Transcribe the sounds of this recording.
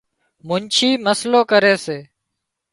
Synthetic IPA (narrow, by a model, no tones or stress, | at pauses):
mʊnt͡ʃʰiːməsloːkəɾeːseː